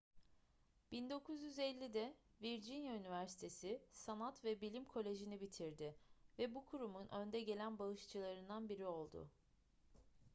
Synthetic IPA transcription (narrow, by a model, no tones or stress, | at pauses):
b̥ind̪o̞kʰuzjyzɛlʲːid̪ɛ | viɾd͡ʒinjaynivæɾsi̥t̪ʰe̞sɪsanat̪vɛbilʲimkʰo̞lʲe̞ʒinibit̪ʰiɾd̪ɪvɛbukʰuɾumunʔø̞nd̪ɛɟe̞lʲænbalˠɯʃt͡ʃʰɯlˠaɾɯnd̪anbiɾio̞lˠd̪ʊ̰